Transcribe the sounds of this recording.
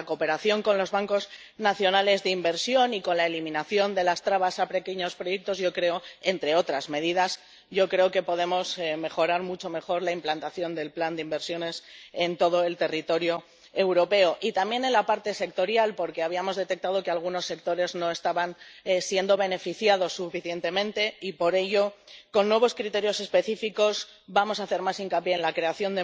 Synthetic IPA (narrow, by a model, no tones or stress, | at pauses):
ako̞pe̞ɾaθjo̞ŋko̞nlo̞zβaŋko̞z | naθjo̞nale̞zðeimbe̞ɾsjo̞niko̞nlae̞limĩnaθjo̞nd̪e̞last̪ɾaβasape̞ke̞ɲo̞spɾoje̞k̚t̪o̞zʝo̞kɾe̞o̞e̞nt̪ɾe̞o̞t̪ɾazme̞ðiðaz | ɟ͡ʝo̞kɾe̞oke̞po̞ð̞e̞mo̞sme̞xo̞ɾaɾmut͡ʃo̞me̞xo̞ɾlaimplant̪aθjo̞nd̪e̞lpland̪eimbe̞ɾsjo̞ne̞se̞nt̪o̞ð̞o̞e̞lt̪e̞rit̪o̞ɾjo̞ | ewɾo̞pe̞o̞ʔit̪ambje̞ne̞nlapaɾt̪e̞se̞kt̪o̞ɾjalpo̞ɾke̞aβiamo̞zðe̞t̪e̞k̚t̪að̞o̞kealɣ̞uno̞sːe̞k̚t̪o̞ɾe̞zno̞e̞st̪aβansje̞nd̪o̞β̞e̞ne̞fiθjaðo̞sːufiθje̞nt̪e̞mẽ̞nt̪e̞ipo̞ɾe̞ʝo̞ko̞nːwe̞β̞o̞skɾit̪e̞ɾjo̞se̞spe̞θifiko̞sbamo̞saθe̞ɾmasiŋkapje̞ːnlakɾe̞aθjo̞nd̪e